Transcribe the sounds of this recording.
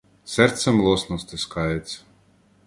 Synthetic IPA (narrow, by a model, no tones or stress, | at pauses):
sɛɾt̪sɛmlˠuɔsnɔst̪ʲeskajt̪s